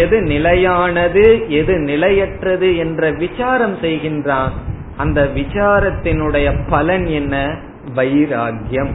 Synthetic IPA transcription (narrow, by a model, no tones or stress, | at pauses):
ɛðɯnɪlɐjaːnɐðɯɛðɯnɪlɐjɛʈrɐðɯɛndrɐʋɪt͡ʃaːɾɐmsɛjɣɪndraːn | ʔɐnd̪ɐʋɪt͡ʃaːɾɐt̪ːɪnɯɽɐjɐpɐlɐnɛnːɐ | ʋɐjɪɾaːɡjɐm